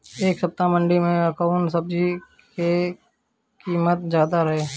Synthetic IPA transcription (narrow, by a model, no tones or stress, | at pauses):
eːksɐp̚t̪amə̃ɳɖimẽɐkaʊɳʈsɐb̚d͡ʒi | ke | kiːmət̪̚d͡ʒaːd̪aɾɐɦeː